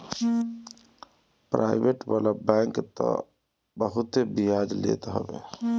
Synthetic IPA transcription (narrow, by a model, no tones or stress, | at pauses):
pɾʔa̰ibeʈbalabɛ̃ŋkt̪ɔ̰ | bəɦut̪ebiad͡ʒlḛt̪ɦə̰be